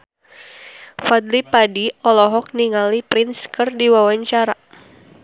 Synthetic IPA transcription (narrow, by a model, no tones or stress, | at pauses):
fad̪lipadiɔlɔɦɔk̚niŋalipɾɪnskərdiwawaɲt͡ʃaɾa